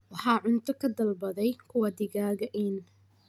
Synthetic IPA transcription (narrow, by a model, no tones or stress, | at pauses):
wɑħɑːʕʊnt̪ʰɐkʰɐd̪ɐlbɐðɛjkʰʊwɐd̪ɪɣaːɣɐʔiːn